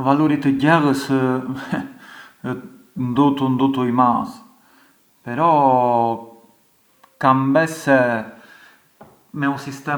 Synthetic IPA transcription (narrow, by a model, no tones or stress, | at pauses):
valuɾit̪əɟɛʁəs | nd̪ut̪und̪ut̪uimas | pɛɾɔ | kambɛsɛ | mɛusist̪ɛ